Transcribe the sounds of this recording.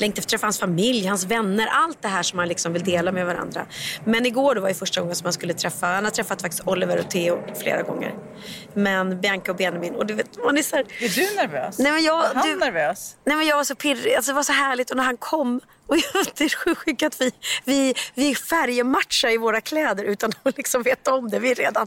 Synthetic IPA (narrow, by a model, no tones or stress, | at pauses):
lɛŋkt̪ɛft̪ʰɾɛfːahansfamɪljhansvɛnːəɾʔalt̪̚d̪ɛɦæːʂɔmhanlɪksɔmvɪld̪eːlamɛvaɾa̰nd̪ɾa̰mɛnɪɡoːɖɔvaɾjəfœʂʈaɡɔŋːənsɔmhanskɵlːət̪ʰɾɛfːahanhad̪t̪ʰɾɛfːat̪fakt̪ɪst̪ɔlːɪvəɾɔ̰t̪ʰeːʊflḛːɾa̰ɡɔ̰ŋːə̰ɾ | mɛnbjaŋkaɔbeːnəbɪnɔd̪ɵveːt̪manæsæːɾɛdʉnæɾvøːsnɛjmɛnjɑːɡd̪æɾvøːsnɛjmɛnjɑːɡvaʂɔpʰɪɾɪalsɔd̪ɛvaʂɔɦæːɭɪt̪ɔnæɾhankʰɔmː | ɔjt̪ʰːəɧʉɧʏkːat̪vɪvɪvɪfæɾjəmat̪ʂaɪvoːɾakʰlɛːd̪əɾʉ̟ːt̪anɔlɪksɔmveːt̪ːɔmd̪ɛvɪɾeːd̪an